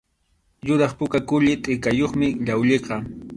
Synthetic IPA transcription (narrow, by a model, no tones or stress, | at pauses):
jʊɾɑχpʊkakʊʎɪt̪ʼɪkajoχmɪʎawʎeqɑ